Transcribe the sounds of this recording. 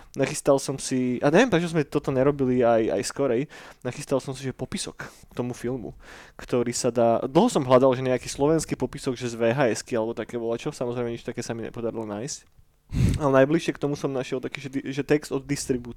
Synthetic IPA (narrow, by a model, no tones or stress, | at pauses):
naxist̪alsɔmsiʔaɲɛʋjɛmpɾɛt͡ʃɔzmɛt̪ɔt̪ɔɲɛɾɔbiliaja̰jskɔɾɛjnaxist̪alsɔmsiʒɛpɔpisɔk | t̪ɔmufilˠmṵkt̪ɔɾiːsad̪aːd̪l̩ˠɦɔsɔmɦlad̪alʒɛɲɛakiːslɔʋɛnskipɔpisɔɡʒɛzʋɛːɦaːɛskialɛbɔt̪akɛːʋɔlat͡ʃɔsamɔzɾɛjmɛɲit͡ʃt̪akɛːsamiɲɛ̰pɔd̪aɾilɔnaːjsc | alɛnajbliʃɪɛkt̪ɔmusɔmnaʃɪɛlˠt̪akiːʒɛd̪iʒɛt̪ɛkz̥t̪ɔd̪̚ːist̪ɾibuː